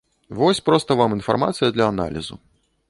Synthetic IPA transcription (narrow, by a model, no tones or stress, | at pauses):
vɔsʲpɾɔst̪ɐvaminfa̰rma̰t̪sɨjɐd̪lʲɐːna̰lʲḭzṵ